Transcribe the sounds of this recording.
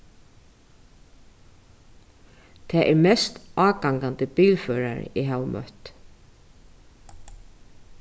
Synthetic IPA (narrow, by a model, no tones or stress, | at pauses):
t̪ʰɛːʔɛɹmɛst̪ɑːkaŋkant̪ɪpiːlfœːɾa̰ɾ̰iɦawmʔœ̰ht̪